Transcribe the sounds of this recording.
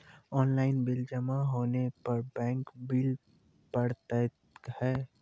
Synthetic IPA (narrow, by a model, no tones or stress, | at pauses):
ɔːnlaɪnbild͡ʒəmaɦoːnepəɾbɛ̃ːŋkbil | pəɽt̪at | khɛː